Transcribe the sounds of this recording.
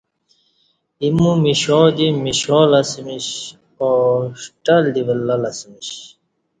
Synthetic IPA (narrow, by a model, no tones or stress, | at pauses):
imumiɕoːd̪imiɕolɐsmiɕ | oɕʈald̪iʋəlːɐlɐsmiɕ